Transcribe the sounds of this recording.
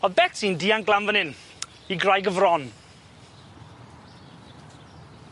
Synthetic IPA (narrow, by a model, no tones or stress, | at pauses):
ɔðbɛtʰindiːanɡlˠamvənɪn | iɡrajɡəvrɔn